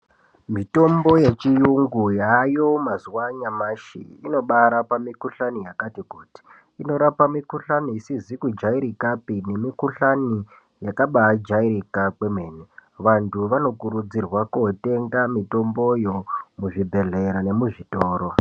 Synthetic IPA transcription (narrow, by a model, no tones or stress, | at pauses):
mito̞mbo̞je̞t͡ʃijuŋɡujajo̞mazuwaɲamaʃḭino̞ɓaɾapamikuɬanijakatikuːti̥ː | no̞ɾapamikuɬaniːsizikud͡ʒaiɾikapine̞mikuɬani | jakaɓaːd͡ʒaiɾikak͡pe̞meːneʋantʰuʋano̞kuɾud͡zirwakute̞ŋɡamito̞mbo̞jo̞muʐibʱe̞ɮe̞ɾane̞muʐitoːɾo